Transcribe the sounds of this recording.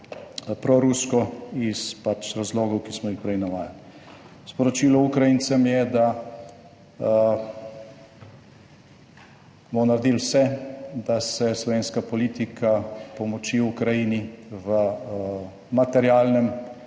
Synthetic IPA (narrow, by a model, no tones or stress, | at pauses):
pɾɔɾuskɔispat͡ʃɾazlɔːɡɔwkismɔixpɾɛjnaʋaːjal | spɔɾɔt͡ʃiːlɔukɾajinsɛmjɛd̪a | bɔnaɾd̪ilwsɛd̪asɛslɔʋeːnskapɔlit̪ikʰapɔmɔt͡ʃiukɾajiniʋə | mat̪ɛɾjaːlnɛm